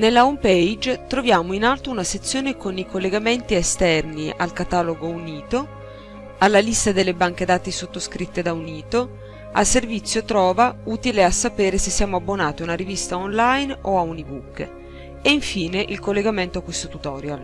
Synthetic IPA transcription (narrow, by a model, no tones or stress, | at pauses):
nelːaompejd͡ʒt̪ɾovjaːmoinalt̪ounaset̪sːjoːnekonikolːeɡament̪iɛst̪ɛrniʔa̰lkat̪aːloɡouniːt̪o | alːalist̪ad̪elːebaŋk̟ed̪aːt̪isot̪ːoskɾit̪ːed̪auniːt̪o | a̰lservit̪sːjot̪ɾɔːvauːt̪ileasːapeːɾesesːiaːmoabːonaːt̪iunaɾivist̪aonlajnoaunibukː | eiɱfiːneʔilkolːeɡament̪oakost̪ot̪ut̪ɔːɾjal